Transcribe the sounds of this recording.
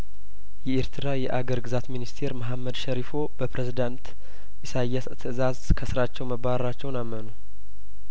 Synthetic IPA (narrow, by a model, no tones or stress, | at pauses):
jɛʔeɾt̪ʰɨɾajɛʔaɡəɾɡɨzat̪minist̪ʰe̞ɾməɦamːəd̪ʃəɾifo̞bəpɾezid̪ant̪ | ʔɪsajːɛst̪ʰɨɨzazkʰəsɨɾat͡ʃːɛwməbaɾat͡ʃːɛwnamːənu